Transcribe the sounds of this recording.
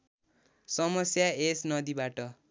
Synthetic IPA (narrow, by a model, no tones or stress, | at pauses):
sʌmʌsjaesnʌd̪ibaʈʌ